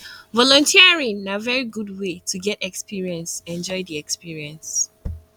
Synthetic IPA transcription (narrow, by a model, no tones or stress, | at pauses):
vɔlɔ̃ntʰiəɹĩŋnavɛɹiɡud̚wetʰuɡɛtɛkspiɹiɛ̃nsɛ̃nd͡ʒɔɪðiɛkspiɹiɛ̃ns